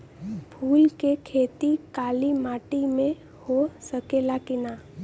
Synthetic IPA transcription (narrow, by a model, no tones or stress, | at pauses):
bʱuːlkekʰeːt̪ikaːlimaːʈimẽ | hosəkelakɪnaː